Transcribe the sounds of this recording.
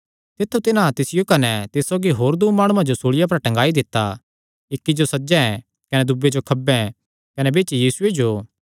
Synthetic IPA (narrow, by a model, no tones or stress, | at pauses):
t̪ɪt̪ʰːut̪ɪnãt̪ɪsɪjokɐnɛt̪ɪsːoːɡiɦoːɾd̪uːmaːɽ̃ũãd͡ʒosoːɭɪjap̬ɐɾʈɐ̃ŋɡaːid̪ɪt̪ːa | ɪkːid͡ʒosɐd͡ʒɛ̃ɛ̃ | kɐnɛd̪ʊbːed͡ʒokʰɐbɛ̃ | kɐnɛbeːt͡ʃijiːsʊed͡ʒo